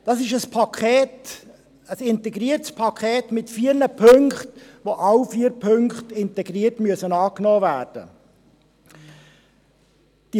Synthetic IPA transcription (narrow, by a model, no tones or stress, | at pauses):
d̥ɑsɪʃəspʰɑkʰχɛːt | əsɪntɛɡɾiəɾtspʰɑkʰχɛːtmɪtfiːɾnəpʰɵŋkχtʋoʔɑwfiːəɾpʰɵŋkχtɪntɛɡɾiːəɾtmyəsənɑːknɔːvæːɾd̥ə̰ | d̥i